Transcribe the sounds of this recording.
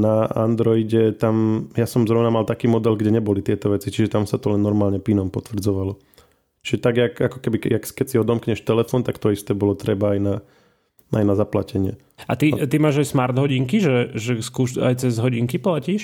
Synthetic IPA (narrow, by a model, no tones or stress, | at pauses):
naa̰nd̪ɾɔiɟɛt̪amjasɔmzɾɔʊnamalt̪akiːmɔd̪ɛlɡɟɛɲɛbɔlit̪ɪɛt̪ɔʋɛt͡sit͡ʃiʒɛt̪amsat̪ɔlɛnːɔɾmaːlɲɛpinɔmpɔt̪ʋr̩d͡zɔʋalɔ | t͡ʃiʒɛt̪aɡjakakɔ̥kɛbijakkɛcsiɔd̪ɔmkɲɛʃt̪ɛlɛfɔnt̪akt̪ɔist̪ɛbɔlɔt̪ɾɛbaajna | ajnazaplacɛɲɪɛ̰ | a̰t̪it̪imaːʒajsmaɾd̪ɦɔɟiŋkiʒɛʒɛskuːʃa̰jt͡sɛzɦɔɟiŋkiplaciːʃ